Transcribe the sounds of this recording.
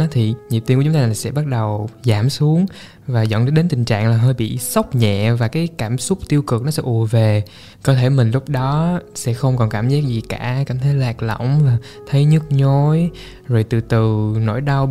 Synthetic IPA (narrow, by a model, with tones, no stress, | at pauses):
t̪ʰi˨˩ɲi˨˩t̪i˧kːt̪ːlaː˨˩sɛ̰˧˥ɓa˦˥t̚ɗə˨˩wzaː˧˩msu˨˦əŋ | vaː˨˩zɔ̰˧˨nɗəː˨˦ɗe˨˦nt̪ï˨˩ŋ̟t͡ɕa̰ː˧˨ŋlaː˨˩ɦəː˧jɓḭ˧˨sə˦˥k͡p̚ɲɛ̰˧˨vaː˨˩kaː˨˦jkaː˧˩msʊ˦˥k͡p̚t̪i˧əwkɨ˨˩k̚nɔ˨˦sɛ̰˧˥ʔu˧˩əve˨˩ | kɔ˨˦t̪ʰe˧˩mï˨˩ŋlʊ˦˥k͡p̚ɗɔ˨˦sɛ̰˧˥xə˧wŋ͡mkɔ˨˩nkaː˧˩mzaː˦˥k̚zi˨˩kaː˧˩kaː˧˩mt̪ʰə˨˦jlaː˨˩k̚lə̰˧˩˨wŋ͡mvaː˨˩ | t̪ʰə˨˦jɲɨ˦˥t̚ɲo˨˦j | zo˨˩jt̪ɨ˨˩t̪ɨ˨˩no̰˧˥˨jɗa˧w